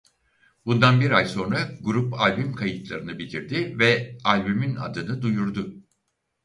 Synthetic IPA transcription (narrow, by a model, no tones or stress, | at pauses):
bund̪anbiɾajso̞nɾaɡuɾupalʲbymkʰajɯt̪lˠaɾɯnɯbit̪ʰiɾd̪ivɛalʲbymina̰d̪ɯnɯd̪ujuɾd̪ʊ